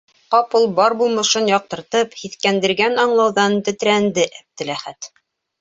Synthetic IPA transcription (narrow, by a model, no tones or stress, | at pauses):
qɑpulˠbɑɾbulˠmɤ̆ʃɤnjɒq̚t̪ɤ̆ɾt̪ɤphiθkænd̪ɘ̆ɾɡænɑɴlˠɑwðɑnt̪ɵ̆t̪ɾænd̪ɘʔæp̚t̪ɘ̆læχæt̪